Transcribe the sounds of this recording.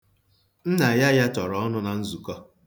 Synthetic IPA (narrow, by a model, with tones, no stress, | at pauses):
n̩˦na˨ja˦ja˦tɔ˨ɾɔ˨ɔ˦nʊ˦na˨n̩˦zu˨kɔ˦